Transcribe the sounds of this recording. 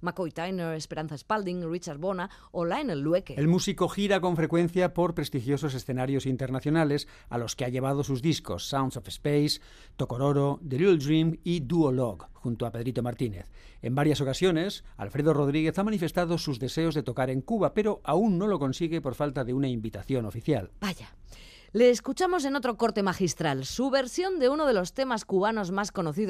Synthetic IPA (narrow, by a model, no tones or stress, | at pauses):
makojt̪ajneɾespeɾanθaespald̪iŋrit͡ʃaɾβona | olaenelːwekeelmusiko̞xiɾako̞ɱfɾe̞kwe̞n̟θjapo̞ɾpɾe̞st̪ixjo̞s̬o̞se̞sθe̞naɾjo̞sint̪e̞ɾnaθjo̞nale̞s | a̰lo̞skeaʎe̞β̞að̞o̞suzðisko̞̰sːawnsofespejs | t̪o̞ko̞ɾoɾod̪eluld̪ɾimid̪uoloɣxunt̪oape̞ðɾit̪o̞maɾt̪ine̞̰θe̞mbaɾjaso̞kasjo̞ne̞sa̰lfɾe̞ð̞o̞ro̞ð̞ɾiɣ̞e̞θamanife̞st̪aðo̞suzðe̞se̞o̞zðe̞t̪o̞kaɾe̞ŋkuβape̞ɾo̞ʔaunːo̞lo̞ko̞nsiɣe̞po̞ɾfalt̪aðeunaimbit̪aθjo̞no̞fiθjalbaja | leːskut͡ʃamo̞s̬e̞no̞t̪ɾo̞ko̞ɾt̪e̞maxist̪ɾalsuβe̞ɾsjo̞nd̪e̞uno̞ð̞e̞lo̞st̪e̞maskuβ̞ano̞zmasko̞noθið